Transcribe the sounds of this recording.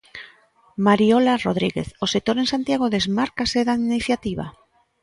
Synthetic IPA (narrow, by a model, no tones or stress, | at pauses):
maɾiolaroð̞ɾiɣḛθosek̚t̪oɾensant̪jaɣ̞oðezmaɾkaseðainiθjat̪iβ̞a̰